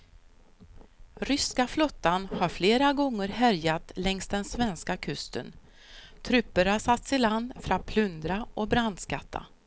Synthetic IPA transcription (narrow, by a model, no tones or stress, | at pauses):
ɾʏskaflɔt̪ːanhaɾfleːɾaɡɔŋːəɾɦæɾjat̪lɛŋst̪d̪ɛnsvɛnskakʰɵst̪ə̰n | t̪ʰɾɵpːəɾhasat̪ːsɪland̪fœɾat̪̚pʰlɵnd̪ɾaʔɔbɾand̪skat̪ʰːa̰